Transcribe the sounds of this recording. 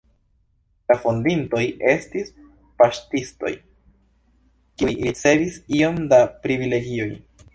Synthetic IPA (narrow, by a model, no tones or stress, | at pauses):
lafondinto̞jʔe̞stis | paʃtisto̞̰j | kiujɾit͡se̞visio̞mdapɾivile̞ɡio̞j